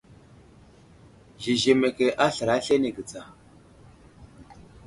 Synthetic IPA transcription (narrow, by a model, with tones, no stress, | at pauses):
ʒi˨ʒe˨me˨ke˨ʔa˦ɬə˨ɾa˦ɬe˦ne˨ɡə˨t͡sa˨